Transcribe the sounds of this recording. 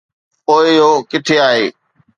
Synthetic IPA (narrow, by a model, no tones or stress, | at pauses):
poːɪjoːkɪʈʰeaːɦeː